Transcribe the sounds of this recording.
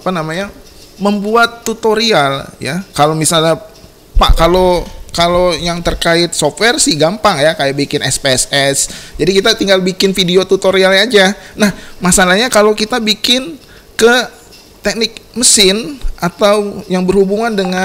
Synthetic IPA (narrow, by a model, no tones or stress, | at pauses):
apanamaɲa | məmbuat̪ːut̪oɾialjakalomisalɲa | pa̰ʔkalokalojaŋt̪ərkaɪt̪̚soft̚wɛrsiɡampaŋjakajabikɪnɛspeɛsɛsd͡ʒadikit̪at̪iŋɡalbikɪnfidiot̪ut̪oɾialɲad͡ʒanahmasalahɲakalokit̪abikɪn | kə | t̪ɛk̚nɪk̚məsɪnʔat̪awjaŋbərhubuŋandəŋa